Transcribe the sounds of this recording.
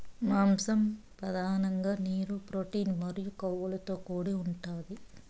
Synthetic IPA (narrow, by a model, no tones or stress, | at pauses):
maːmsɐm | pɾɐd̪ʱaːnɐŋɡaːniːɾupɾoːʈiːnmɐɾijukɐwːɐlɐt̪o̞ːkoːɽiuɳʈaːd̪i